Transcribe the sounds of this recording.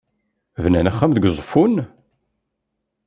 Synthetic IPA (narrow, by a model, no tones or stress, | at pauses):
vnænæχːæmðəɡzˤfun